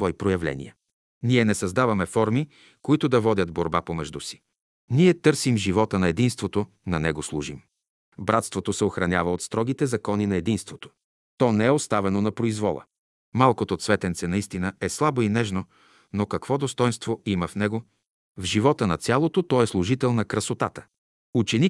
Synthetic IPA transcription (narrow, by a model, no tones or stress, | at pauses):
t̪vɔipɾojɐvlɛ̰nḭjɐ | niɛnɛsɐzd̪avɐmɛfɔɾmi | koit̪ʊd̪ɐvɔd̪ʲət̪boɾbapomɛʒd̪usi̥ | niɛt̪ɤɾsimʒivɔt̪ənɐɛd̪inst̪vot̪o | nɐnɛɡoslˠuʒim | bɾat̪st̪vot̪osɛoxɾɐnʲavəot̪st̪ɾɔɡit̪ɛzɐkɔninɐɛd̪inst̪vot̪o̥ | t̪ɔnɛɛost̪avɛnonɐpɾoizvɔlˠə̰ | malˠkot̪ot̪svɛt̪ɛnt̪sɛnɐist̪inəɛslˠaboinɛʒno | nokɐkvɔd̪ost̪ɔjnst̪voiməfnɛɡo | vʒivɔt̪ənɐt̪sʲalˠot̪ot̪ɔɛslˠʊʒit̪ɛlˠnɐkɾɐsot̪at̪ə̥ | ut͡ʃɛnik